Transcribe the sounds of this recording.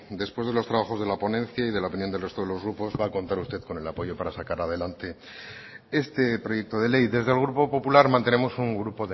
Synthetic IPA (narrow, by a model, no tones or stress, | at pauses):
d̪e̞spwe̞zðe̞lo̞st̪ɾaβaxo̞zðe̞lapo̞nẽ̞nθjaiðe̞laopinjo̞nd̪elre̞st̪o̞ðe̞lo̞zɣɾupo̞zβaːko̞nt̪aɾust̪e̞ðko̞ne̞lapo̞jo̞paɾasakaɾaðe̞lant̪e̞ | e̞st̪e̞pɾo̞je̞k̚t̪o̞ðe̞le̞jðe̞zðelɣ̞ɾupo̞po̞pulaɾmãnt̪ene̞mo̞suŋɡɾupo̞ðe